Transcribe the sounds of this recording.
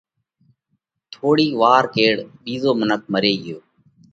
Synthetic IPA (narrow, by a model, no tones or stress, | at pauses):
t̪ʰoːɽiːʋaːɾkeːɽɓiːzoːmənək̚məɾeːɡɪjoː